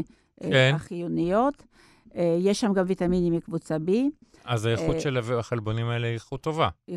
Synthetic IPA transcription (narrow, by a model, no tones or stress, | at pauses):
ʔenaχijunijot̪ | jeʃːamɡamvit̪aminimikvut͡sabi | ʔazajeuʃelavaχelbo̞nimaeleiχut̪ːo̞va